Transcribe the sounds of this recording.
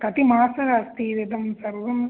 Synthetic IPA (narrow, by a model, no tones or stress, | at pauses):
kɐt̪imaːsɐɾɐst̪iʋid̪ɐmsɐɾʋɐm